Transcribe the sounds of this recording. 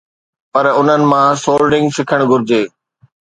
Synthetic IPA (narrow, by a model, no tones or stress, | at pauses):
pɐɾʊn̤ənɪ̆mãsoːlɖɪ̃ŋɡsɪkʰəɽ̃ɡʱʊɾɪd͡ʑeː